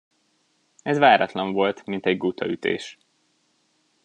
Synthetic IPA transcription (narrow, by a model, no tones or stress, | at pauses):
ɛzvaːɾɒt̪lɒɱvo̞lt̪mint̪ɛɟɡut̪ʰɒyt̪ḛːʃ